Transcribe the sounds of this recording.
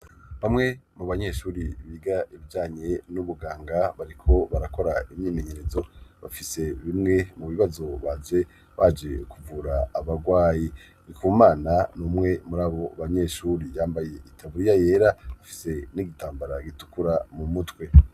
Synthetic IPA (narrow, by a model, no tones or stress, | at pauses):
βamŋe̞muβaɲe̞ʃuːɾiβiːɡaʔiβiɟaːɲe̞nuβuɡaːŋɡaβaɾikʰo̞βaɾako̞ɾaimɲiːme̞ɲe̞ɾe̞zo̞βafise̞βimŋe̞muβiβazo̞βad͡ʒe̞ | βad͡ʒe̞kʰuvuɾaːβaɡwaːji | nikumaːnanumŋe̞muɾaːβo̞βaɲe̞ʃuːɾijaːmbaje̞itʰaβuɾijaje̞ːɾaβafi̥se̞niɡitaːmbaɾaɡitu̥kuɾamumutwe̞